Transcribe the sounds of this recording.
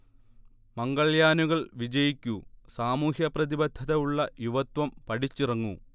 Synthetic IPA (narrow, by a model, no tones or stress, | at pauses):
mɐŋɡɐɭjaːnuɣɐɭʋid͡ʑɐjikʲːusaːmuːhjɐprɐðibɐd̪ʱːɐðɐjuɭːɐjuʋɐt̪wɐmpɐɽit͡ɕːirɐŋːu